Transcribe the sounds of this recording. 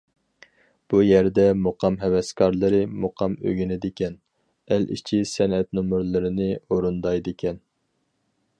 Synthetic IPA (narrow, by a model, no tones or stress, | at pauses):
b̥ujɛɾd̪ɛmoqɑmɦɛwɛskʰɑɾlˠɨɾɨmoqʰɑmø̰ɡʲynɪd̪ɪkʲʰɛn | ælʔḭt͡ʃʰisɛnɛt̪numuɾlˠɨɾɨnɪoɾund̪ɑjd̪ɪkʲʰɛn